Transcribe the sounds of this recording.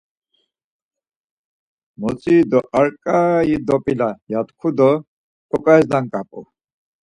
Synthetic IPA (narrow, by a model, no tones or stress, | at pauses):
mot͡sid̪ɔʔaɾkʼajid̪opilajat̪kʰud̪ə | kɔkajzd̪aŋkapʼo̰